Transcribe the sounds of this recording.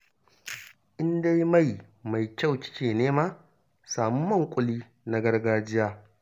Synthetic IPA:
ʔɪ˦nda˦ji˦ma˦˨j | ma˨jkʲa˦˨wt͡ʃɪ̥˦kʲeː˨neː˦maː˦ | saː˨mʊ˦mːɐ˦˨ŋkʷʼʊ˨liː˦ | na˨ɡɐ˦rɡaː˦d͡ʒɪ˦jaː˦

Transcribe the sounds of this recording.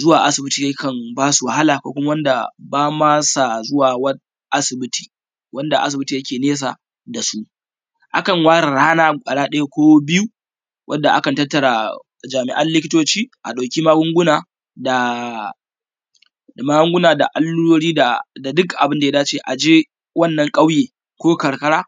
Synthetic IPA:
zʊ˦waː˨ʔa̰˦sɪ˨bɪ˦tiː˨ja˦kɐ˨ŋbaː˦su˨wa˨ha˦laː˨kʷoː˦kʷʊ˦ma˦wɐ˦nda˨baː˦maː˦sa˨zʊ˦waː˨wɐ˦n | ʔa˦sɪ˨bɪ˦ti̥ː˨ | wʔɐ˦nda˨ʔa̰˦s̬ɪ˨bɪ˦tiː˨jɐ˦kʲeː˨neː˦s̬a̰˨ | da˨su˦ | ʔa̰˦kɐ˨ŋwaː˦ɾɐ˨ɽaː˦naː˦kʷʼɐ˨ɽaː˦ɗɐ˦ja˦kʷoː˦bɪ˦ju˦ | wʔɐ˦nda˨ʔa˦kɐ˨ntɐ˦tːɐ˨ɽa˨ | d͡ʒaː˨mɪ˨ʔɐ˦nlɪ˦kʲɪ˦toː˦t͡ʃiː˦ʔa̰˨ɗa˨wkʲi˦maː˦ɡʊ˦ŋɡʷʊ˦naː˨ | da˨ | a˨maː˦ɡʊ˦ŋɡʷʊ˦naː˨da˨ʔa˨lːu˦ɾoː˦ɽiː˦da˨da˨dʊ˦kʔa˨bɪ˦nda˨ja˦daː˦t͡ʃeː˦˨ʔa˨d͡ʒeː˦ | wɐ˦˨nːɐ˨ŋkʼa˦wjeː˨ | kʷoː˦kɐ˨ɽkɐ˦ɽaː˦

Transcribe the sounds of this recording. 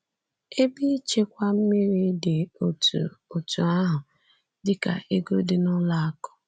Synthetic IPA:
e˦bi˦t͡ʃe˦kʷa˦m̩˦mi˦ɾi˦de˨o˨tṵ˨o˨tu˨a˦ɦʊ˨ | dɪ˦ka̰˨ʔe˦ɡo̰˦dɪ˦nʊ˦la˦a˦kɔ̥˦

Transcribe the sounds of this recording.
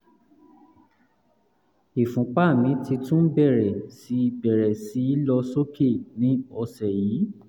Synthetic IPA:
i˨fũ˨˦k͡pa˦˨mĩ˨˦ti˧tũ˦bɛ˦˨ɾɛ˨si˨˦˧bɛ˨ɾɛ˨si˨˦i˦lɔ˧so˦ke˦˨nĩ˨˦ɔ˧sɛ˨jiː˨˦

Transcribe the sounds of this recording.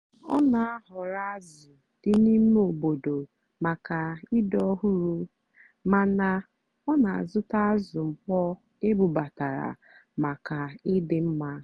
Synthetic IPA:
ɔ˦na˨a˦ɦʊ˨ɾa˦a˦z | ʊ˨ | d̥ɪ˦ni˦me˦o˨bo˨do˨ | ma˨ka˨i˦dɔ˦ɦu˦ɾu˦ | ma˨na˨ | ɔ˦na˨a̰˨zʊ˦ta˦a˦zʊ˨m̩˨k͡pɔ˦ | e˦bu˨ba˨ta˨ɾa̰˨ | ma˨ka˨ɪ˦dɪ˨m̩˦ma˦

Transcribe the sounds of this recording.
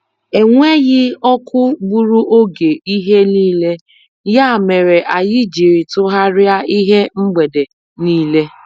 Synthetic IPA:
e˨ŋʷe˦ɣɪ˦ɔ˦kʊ˦ɡ͡bu˦ɾu˦ʔo˦ɡe˨i˦ɦe˦niː˦le˦ | ja˦˨me˨ɾe˨ʔa˨jɪ˦d͡ʒi˨ɾi˨tʊ˦ɦa˦ɾɪ˦a˦i˦ɦe˦ŋ͡m̩˦ɡ͡be˨de˨ | niː˦le˦

